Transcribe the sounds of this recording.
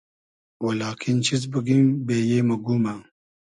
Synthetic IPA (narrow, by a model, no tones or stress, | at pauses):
wɐlaːkʰint͡ʃʰizbəɡimbeːjeːmɐɡuma